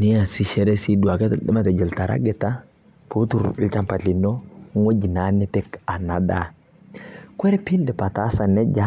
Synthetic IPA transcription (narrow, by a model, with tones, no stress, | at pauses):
ni˦a˨si˦ʃɛ˦ɾe˦si˦du˨a˨ke˦dma˦te˨d͡ʒɛ˨lta˨ɾa̰˦ɡɛ˨ta˦ | pu˦tu˦˨ɾt͡ʃa˦mpa˨ti˨no˦ŋo˦ɟi˨na˨˦nɛ˦pɛ˦ka˨na˨da̰˨ | kʷɛ˦ɾpi˦ndɛ˨pa˨ta˦sa˨nɛ˦ɟa˦